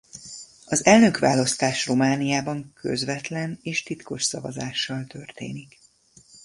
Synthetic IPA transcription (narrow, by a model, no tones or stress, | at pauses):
ɒzɛlnøkʋaːlɒst̪aːʃromaːnijaːbɒŋkʰø̰zvɛt̪lɛneːʃt̪it̪ko̞ʃsɒvɒ̰zaːʃːɒlt̪ørt̪ḛːnik